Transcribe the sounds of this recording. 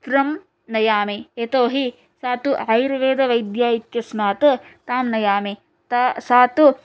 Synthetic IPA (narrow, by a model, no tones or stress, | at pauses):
t̪ɾɐm | nɐjaːmeet̪oːɦi | saːt̪uɐjɾɐʋeːd̪ɐʋɐjd̪jaːit̪jɐsnaːt̪ɐt̪aːmnɐjaːme | t̪asaːt̪u